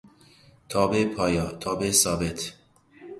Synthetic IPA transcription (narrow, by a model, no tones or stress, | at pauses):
t̪ʰɒːbepʰɒːjɒːt̪ʰɒːbesɒːbet̪ʰ